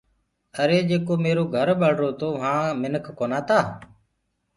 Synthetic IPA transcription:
əɾeːd͡ʒeːkoːmeːɾoːɡʱəɾbəɽɾoːt̪oːɦãːmɪnəkʰkoːnaːt̪aː

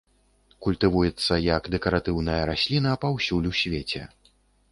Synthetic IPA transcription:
kulʲt̪ɨvujɛt̪sːɐjɐkd̪ɛkɐɾat̪ɨwnɐjɐɾasʲlʲinɐpawsʲulʲusʲvʲet͡sʲɛ̰

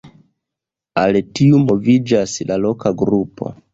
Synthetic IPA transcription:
altiumo̞vid͡ʒaslalo̞kaɡɾupo̞̰

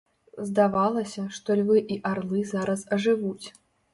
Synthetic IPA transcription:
zd̪avalˠɐsʲɐʂt̪ɔlʲvɨʔiʔarlˠɨzaɾɐsɐʐɨvut͡sʲ

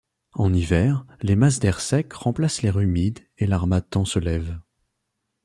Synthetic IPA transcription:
ɑ̃nivɛʁlemas̬d̪ɛʁsɛkʁɑ̃plasleʁymid̪ | elaʁmat̪ɑ̃səlɛv

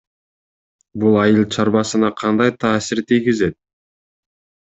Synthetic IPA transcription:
bulˠɑjɯlˠt͡ʃʰɑɾbɑsɯnɑqʰɑnd̪ɑjt̪ʰɑːsiɾt̪ʰijɡizet̪̚

